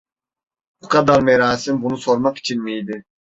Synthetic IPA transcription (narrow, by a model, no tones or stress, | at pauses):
bukʰɑd̪aɾmɛɾaːsimbunusoɾmɑqi̥t͡ʃʰinmijd̪ɪ